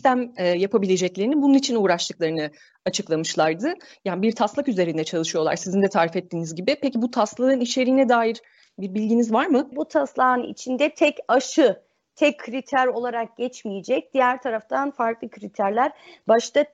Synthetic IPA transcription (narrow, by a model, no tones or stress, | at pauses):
ist̪ʰæmɛːjapʰabilʲe̞d͡ʒɛclʲe̞ɾinibununit͡ʃʰinuːɾaʃt̪ʰɯklˠaɾɯnɯ | at͡ʃʰɯklˠamɯʃlˠaɾd̪ɯjaːnibiɾt̪ʰaslˠakyze̞ɾind̪ɛt͡ʃʰalˠɯʃɯjo̞lˠa̰ɾsizind̪ɛt̪ʰaːɾifɛt̪ːiːnizɟibipecibut̪ʰast̪lˠaɯniʃe̞ɾiːnɛd̪aːjiɾ | biɾbilʲɟinizvaɾmɯbut̪ʰaslˠaːɯnḭt͡ʃʰind̪ɛt̪ʰɛcaʃɯ | t̪ʰɛcʰːɾit̪ʰæɾo̞lˠaɾak̚ɟ̥ɛt͡ʃmijed͡ʒɛc̚d̪̥ijæɾt̪ʰaɾaft̪ʰanfaɾklˠɯkʰɾit̪ʰæɾlʲæɾbaʃt̪a